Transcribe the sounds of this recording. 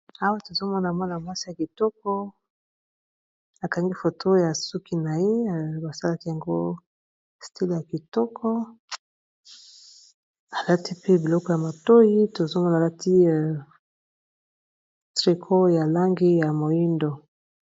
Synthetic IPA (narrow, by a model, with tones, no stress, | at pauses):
a˦wa˦to˨zo˦mɔ˦na˨mɔ˦na˨ma˦si˦ja˨ki˨tɔ˦kɔ˦ | a˨ka˨ŋɡi˦fo˨tʰo˦ja˨su˦ki˦na˨je˦˨ba˨sa˦la˦ki˦ja˨ŋɡo̰˦ | stʰi˦li˨ja˨ki˨tɔ˦kʰɔ˦ | a˨la˦ti˦pe˦bi˨lɔ˦kɔ˨ja˨ma˨to˦ji˦to˨zo˦mɔ˦nː˨la˦tʰi˦˨ | tʁi˨kʰo˦ja˨la˦ŋɡi˦ja˨mo˨ji˦ndo˨